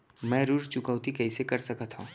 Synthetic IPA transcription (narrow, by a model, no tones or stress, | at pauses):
mɛ̃ːɾuːɾt͡ʃʊkəːt̪ikɐɦisekɐɾsɐkət̪ɦṵ̃ː